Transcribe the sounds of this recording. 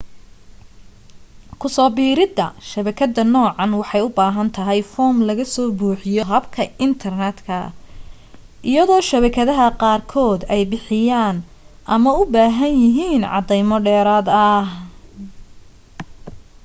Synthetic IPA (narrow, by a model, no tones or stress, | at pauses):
kʰʊsɔːbiːɾɪd̪ɐʃɐβɐkʰɐd̪ːɐnɔːʕɑnwɑħɑjʊbaːɦɐnt̪ʰɐɦɛjfɔːmlɐɣɐsɔːbuːħɪjɔɦɐbkʰɐɪnt̪ʰɐrnɛd̪kʰɐ | ʔɪjɐðɔːʃɐβɐkʰɐðɐɦɐqɑːrkʰɔːd̪ɛjbɪħɪjaːn | ʔɐmɐʊbaːɦɐnjɪɦiːnʕɑ̰d̪ɛjmɔɖɛːɾaːd̪ɐh